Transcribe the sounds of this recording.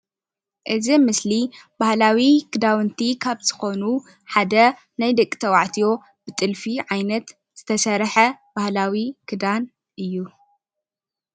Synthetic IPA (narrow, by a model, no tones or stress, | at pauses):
ʔɨzimɨslibahlawikʰɨd̪awɨnt̪ʰikʰaβz̥ɨ̥xo̞nu | ħad̪ɐ | najd̪ɐkʼːi̥t̪ʰɐwaʕt̪ʰijo̞ | bɨt̪ʼɨlfiʕajnɐt̪ | z̥ɨt̪ʰɐsɐɾħɐbahlawikʰɨd̪an | ʔɨjːu